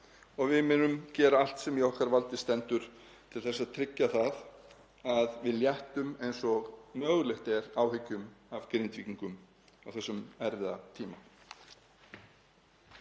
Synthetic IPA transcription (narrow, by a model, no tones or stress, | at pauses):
ɔɣvɪðmɪːnʏmcɛːɾaal̥t̪sɛmjɛɔhkaɾvalt̪ɪst̪ɛnt̪ʏɾ̥ | t̪ʰɪlθɛsːaðt̪ʰɾɪcːaθað | aðvɪðljɛht̪ʏmejnsɔɣnœːɣlɛht̪ɛɾaːwhɪcːʏmavkɾɪnt̪viːciŋkʏm | awθɛsːʏmɛɾvɪðat̪ʰiːma